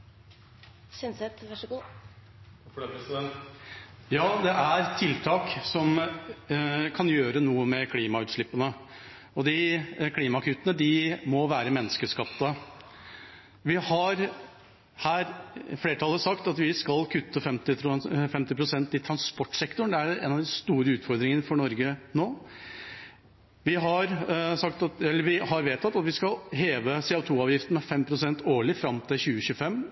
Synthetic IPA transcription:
synsɛt̪ʋæʂəɡuː | fpɾɛsɛn | jɑːd̪ɛʔæɾt̪ʰɪlt̪ʰɑːksɔm | kʰɑnjøːɾənuːəmɛkʰliːmɑʉːt̪ʂɭɪpːənə | ɔd̪ɪkʰliːmɑkʰʉːt̪ənəd̪ɪmɔʋæːɾəmɛnːəskəskɑpt̪ə | ʋɪhɑɾ | hæːɾfleːəʈʰɑlːəsɑkt̪ɑt̪ʋɪskɑlkʰʉt̪ːəfɛmt̪ɪfɛmt̪ɪpʰɾʊsɛnt̪ɪt̪ʰɾɑnspɔʈːsɛkt̪ʊɳ̩d̪ɛæɾḛːnɑʋd̪ɪst̪uːɾəʉːt̪fɔɾd̪ɾɪŋənəfɔɳɔɾɡənoː | ʋɪɦɑɾsɑkt̪ɑt̪ɛlːəɾʋɪhɑɾʋeːt̪ʰɑt̪ːɑt̪ʋɪskɑlɦeːʋəseːʊt̪ʰuːɑːʋjɪft̪ən̩mɛfɛmpʰɾʊsɛnt̪ʰoːɭɪfɾɑmt̪ʰɪlçʉːəɕʉəfɛmː

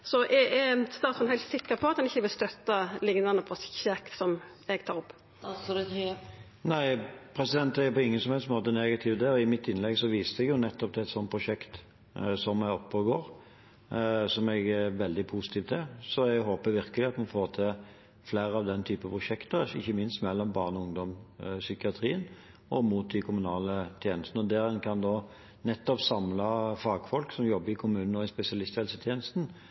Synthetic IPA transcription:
sɔʔɛɛst̪ɑːt̪fɔnhæɪlt̪sɪkːəpʰɔɑt̪d̪ɛnɪçːəʋɪlst̪œt̪ːɑlɪŋnɑnəpʰɔsçɛkt̪sɔm | ɛɡt̪ʰɑːɾɔpː | næɪpʰɾɛsɪd̪ɛnt̪æɾpɔɪŋːənsɔmhɛlsmoːt̪ənɛɡɑt̪ʰɪːʋd̪ɛɔɪmɪt̪ːɪnlɛɡsɔʋiːst̪ɛɡjʊnɛt̪ːɔp̚t̪ʰːɛt̪sɔnt̪̚pʰʁʊʂɛkt̪ | sɔmæɪɔpːəɡoːɾ | sɔmɛɡæʋɛld̪ɪpʰusɪ̥t̪ʰiːʋt̪ɛsɔɛɡɦoːpəʋɪɾkəlɪɑt̪mɑnfoːʁt̪ʰɛ | fleːɾəɑʋd̪ɛnt̪ʰyːpəpʰʁʊʃɛkt̪əɪçːəmɪnst̪mɛlːɔmbɑːʁnɔʊŋd̪ɔmsʏkɪɑt̪ʰɾiːən | ʔɔmuːt̪̚d̪ɪkʰʊmʉnɑːlət̪ʰjeːnəst̪n̩ɔd̪æʁɛnkʰɑnd̪oː | nɛt̪ːɔpsɑmlɑfɑːɡfɔlksɔmjɔbːəɾɪkʰʊmʉːnn̩ɔɪspɛsɪɑlɪst̪jɛːlsət̪ʰjeːnəst̪n̩

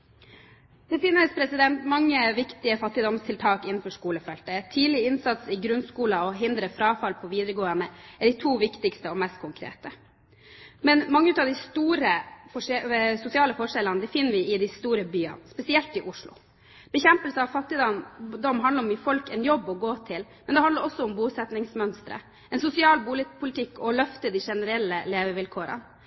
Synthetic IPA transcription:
d̪̥ɛfɪnːəspʰɾɛsɪd̪ɛnt̪mɑŋːəʋɪkt̪ɪəfɑt̪ːɪd̪ɔmst̪ʰɪlt̪ʰɑːkɪnːn̩fɔʂkuːləfɛlt̪ət̪ʰiːlɪɪnsɑt̪sɪɡɾʉnskuːlɑɔɦɪnd̪ɾəfɾɑːfɑlpʰɔʋiːd̪əɾəɡoːənəɛɖɪt̪ʰuːʋɪkt̪ɪkst̪əɔmɛst̪̚kʰʊŋkʰɾḛːt̪ə | mɛnmɑŋːəʉːt̪ɑʋd̪ɪst̪uːɾəfɔʂsʊsɪɑːləfɔʂɛlənəd̪ɪfɪnːəʋɪɪd̪ɪst̪uːɾəbyːɑ̰nspɛsɪɛlt̪ɪʔʊʂɭʊ̰ | b̥ɛçɛmpəlsəɑʋfɑt̪ːɪd̪ɑnd̪ɔmːɦɑnd̪əɾɔmɪfɔlkɛnjɔbːɔɡoːt̪ʰɪlmɛnd̪ɛhɑnd̪əɾɔsːɔʊmbuːsɛt̪nɪŋsmœnst̪ɾə̰ | ʔɛnsʊsɪɑːlbuːlɪpʰʊlɪt̪ʰɪkːɔlœft̪əd̪iʂɛnəɾɛlːəleːʋəʋɪlkʰoːɾə̰n

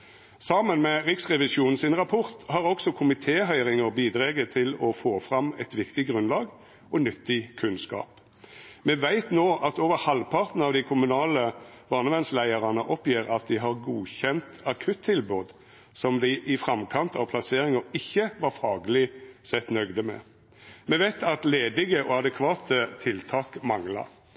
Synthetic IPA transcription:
sɑːmənmɛʁɪksʁɛʋɪsuːnn̩sɪnʁɑpʰɔʁt̪hɑʁɔksɔkʰʊmɪt̪ʰeːɦœʏʁɪŋəʁbiːd̪ʁeːɡət̪ʰɪlɔfoːfɾɑmɛt̪ʋɪkt̪ɪɡʁʉnlɑːɡ | ɔnʏt̪ːɪkʰʉnskɑ̰ːp | mɛʋæɪt̪noːʔɑt̪oːʋəɾhɑlpʰɑʁt̪n̩ɑːʋd̪ɪkʰʊmʉnɑːləb̥ɑːnəʋɛnslæɪəɾɑnəʔɔpjiːɾɑt̪̚d̪ɪɦɑʁɡuːçɛnt̪ɑkʰʉt̪ʰːɪlboːd̪ | sɔmd̪æʔɪfɾɑmkʰɑnt̪ʰɑʋpʰlɑseːɾɪŋəɪçːəʋɑɾfɑːɡlɪsɛt̪nœɡd̪əmɛ̰ | mɛʋæɪt̪ʰɑt̪leːd̪ɪɡəʔɔɑd̪ɛkʰʋɑːt̪ʰət̪ʰɪlt̪ʰɑːkmɑŋlɑ̰

